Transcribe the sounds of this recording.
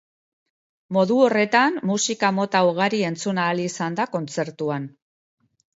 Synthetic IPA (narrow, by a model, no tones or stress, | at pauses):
mo̞ðuo̞re̞t̪anːusikamo̞t̪auɣaɾie̞nt͡sunaːliːsand̪ako̞nt͡se̞ɾt̪uan